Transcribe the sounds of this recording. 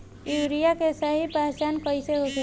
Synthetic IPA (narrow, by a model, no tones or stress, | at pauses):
juːɾijakesəɦipaɦt͡ʃaːnpəɪseɦoke